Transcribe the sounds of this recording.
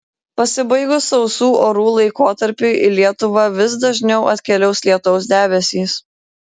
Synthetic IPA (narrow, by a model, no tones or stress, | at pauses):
pɐsʲɪbɐɪɡʊsɒʊsuːʔoːɾuːlˠɐɪkoːt̪ɐɾʲpʲʊʔɪlʲiɛt̪ʊʋɐʋʲɪsd̪ɐʒʲnʲɛʊɐt̪ʲkʲɛlʲɛʊslʲiɛt̪ɔʊs̬d̪ʲæːbʲɛsʲiːs